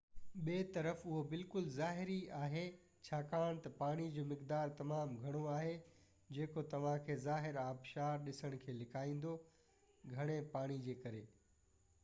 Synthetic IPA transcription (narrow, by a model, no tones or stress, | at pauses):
ɓeːt̪ɐɾəfʊɦobɪlkʊlzaːɦɪɾiaːɦe | t͡ɕʰaːkaːɽ̃t̪ɐpaːɽ̃id͡ʑoːmɪkd̪aːɾt̪ɐmaːmɡʱɐɽ̃oaːɦe | d͡ʑeːkot̪ɐʋ̤ãkʰeːzaːɦɪɾaːbʃaːɾɗɪsəɽ̃̆kʰeːlɪkʰaːĩːn̆d̪o | ɡʱɐɽ̃epaːɽ̃id͡ʑeːkɐɾeː